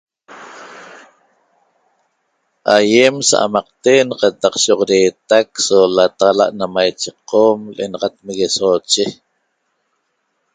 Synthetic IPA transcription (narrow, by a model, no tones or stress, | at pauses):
ʔajemsa̰ʔa̰mɑq̚t̪enqɑt̪ɑqʃoʁoɾeːt̪aksolat̪aʁɑla̰ʔnamajt͡ʃeqomlʔḛnɑʁɑt̪̚meɣesoːt͡ʃe